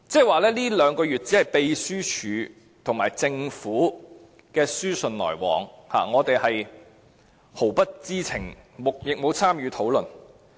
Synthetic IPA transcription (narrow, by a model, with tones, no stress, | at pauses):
t͡sɛː˥waː˨lɛː˥liː˥lœː˨˧ŋkɔː˧jyː˨t̚t͡si˨˥hɐ˨jpe˧jsyː˥t͡ʃʰyː˨˧ | t̪ʰʊ˨˩ŋmaː˨˩jt͡sɪ˧ŋfuː˨˥ | kɛː˧syː˥sɵ˨nlɔ̰ː˨˩jwɔ̰ː˨˩ŋha̰ː˨˩ŋɔː˨˧t̪e˨jhɐ˨j | ho˨˩wpɐ˥t̚t͡siː˥t͡sʰɪ˨˩ŋmʊ˨k̚jɪ˨k̚mo˨˧wt͡sʰaː˥mjyː˨˧t̪ʰo˨˥wlɵ˨n